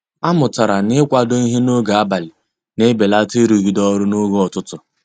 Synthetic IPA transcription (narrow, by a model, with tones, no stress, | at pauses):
a˦mʊ˨ta˨ɾa˨nɪ˦kʷa˦do˦i˦ɦe˦no˦ɡa˨a˦ba˨lɪ˨ | ne˦be˨la˦te˦ɾu˨ɣi˨dɔ˦ɾʊ˦no˦ɡo˦ɔ˨tʊ˦tʊ˨